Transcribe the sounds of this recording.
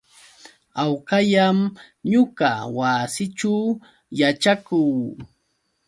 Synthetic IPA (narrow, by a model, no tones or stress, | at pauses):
awqajam | ɲʊɢawasɪʈ͡ʂaw | jat͡ʃakuː